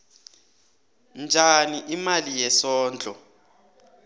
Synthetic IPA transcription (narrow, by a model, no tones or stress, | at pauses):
nd͡ʒʱaniʔimalijɛsɔːnd͡ɮʱʼɔ